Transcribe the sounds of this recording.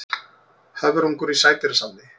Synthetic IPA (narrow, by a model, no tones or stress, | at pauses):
havɪɾuŋkɔɾisaːjt̪ɪɾasannːɪ